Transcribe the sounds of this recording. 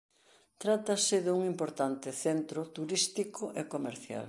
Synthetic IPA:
t̪ɾat̪ɐsɪðuŋimpoɾt̪ant̪ɪθent̪ɾʊt̪uɾist̪ikʊʔekomeɾθja̰l

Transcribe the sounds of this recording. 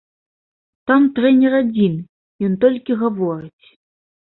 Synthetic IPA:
t̪amt̪ɾɛnʲɛɾad͡zʲin | jɔnt̪ɔlʲkʲiɣavɔɾɨt͡sʲ

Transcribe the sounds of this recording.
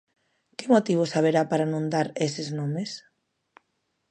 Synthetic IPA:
kɪmot̪iβ̞osaβ̞eɾapaɾanõnd̪aɾesɪznõmes

